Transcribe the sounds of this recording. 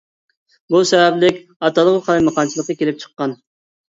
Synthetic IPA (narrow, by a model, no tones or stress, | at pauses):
busɛvɛblɪkʲ | ɑt̪ʰɑlˠəʁəqʰɑlˠɑjmɑqɑnt͡ʃʰilˠəqːɑkʲelɪp̚t͡ʃʰə̥qːɑn